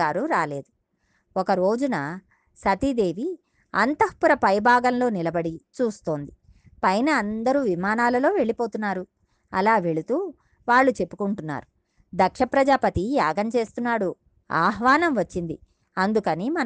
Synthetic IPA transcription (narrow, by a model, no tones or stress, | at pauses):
aːɾuɾaːle̞ːd̪u | ɔkɐɾo̞ːd͡ʒunɐ | sɐt̪id̪e̞ːʋi | ɐ̰nt̪ɐhpuɾɐpɐjbʱaːɡɐnlo̞ːnilɐbɐɽit͡ʃuːst̪o̞ːnd̪i | pɐjnɐːnd̪ɐɾuːʋimaːnaːlɐlo̞ːʋe̞ɭipo̞ːt̪unːaːɾu | ɐlaːʋe̞ɭut̪uː | ʋaːɭːut͡ʃe̞pːu̥kuɳʈunːa̰ːɾu | d̪ɐkʂɐpɾɐd͡ʒaːpɐt̪ijaːɡɐmt͡ʃe̞ːst̪unːaːɽu | a̰ːɦʋaːnɐmʋɐt͡ʃːind̪i | ɐnd̪ukɐnimɐ